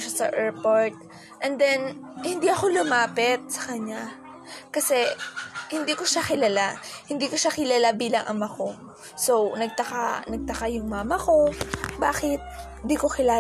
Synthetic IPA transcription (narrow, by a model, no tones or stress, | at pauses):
ʃasɐ̰ʔɛɹpoɹt̪̚ | ʔɛnd̪ɛnhɪnd̪iʔɐxo̞lʊmaːpɛt̪̚sɐ̥kɐɲa | kɐsɛhɪnd̪iːko̞ʃaxɪlɐlahɪnd̪iːkoʃakɪlalabiːlɐŋʔɐmɐko̞ | sownɐɡ̚t̪ɐka̰nɐɡ̚t̪ɐkajʊŋmaːmɐko̞baːxɪt̪̚ | nd̪iːko̞kɪlaː